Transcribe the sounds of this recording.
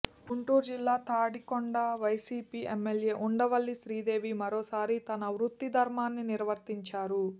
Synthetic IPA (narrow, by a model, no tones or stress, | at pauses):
ɡuɳʈuːɾd͡ʒilːaːt̪aːɽikoɳɖaːʋɐjsiːpiːʔemːelje̞ːʔuɳɖɐʋɐɭːiʃɾiːd̪e̞ːʋimɐɾoːsaːɾit̪ɐnɐʋɾut̪ːid̪ʱɐɾmaːnːiniɾʋɐɾt̪iɲt͡ʃaːɾu